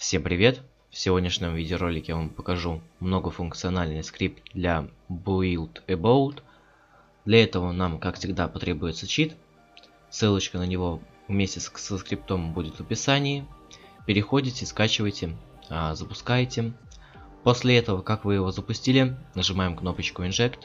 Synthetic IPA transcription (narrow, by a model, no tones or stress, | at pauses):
fsʲe̞mpɾʲɪvʲe̞t̪ | fsʲɪvo̞dʲnʲɪʂnʲɪmvʲidʲɪɾo̞lʲɪkʲɪjavampə̥kɐʐumno̞ɡəfʊnk̚t̪sɨɐnalʲnəjəskɾʲip̚t̪̚d̪lʲabʊilˠt̪ɪbolˠt̪ | d̪lʲɐɛt̪əvənamkakfsʲɪɡd̪apɐt̪ɾʲe̞bʊjɪt̪sət͡ɕit̪ | sɨlˠət͡ɕkənənʲɪvo̞ | vmʲesʲtʲɪssəskɾʲɪp̚t̪o̞mbudʲɪt̪vəpʲɪsanʲɪjɪpʲɪɾʲɪxo̞dʲɪtʲɪskat͡ɕɪvəjtʲɪ | zəpʊskajtʲɪ | po̞sʲlʲɪɛt̪əvəkakvɨjɪvo̞zəpʊsʲtʲilʲɪnəʐɨmajɪmkno̞pət͡ɕkʊɪnʐɛkt̪